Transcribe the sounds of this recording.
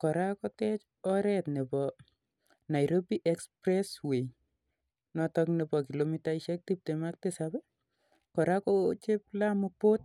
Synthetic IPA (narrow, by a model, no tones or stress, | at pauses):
kɔɾakɔtɛt͡ʃ | ɔɾɛtnepɔ | najɾobiʔɛkspɾɛswej | nɔtɔknepɔkilomitaiʃɛk̚tip̚temak̚tesabɛ | kɔɾakɔt͡ʃep̚lamupot̚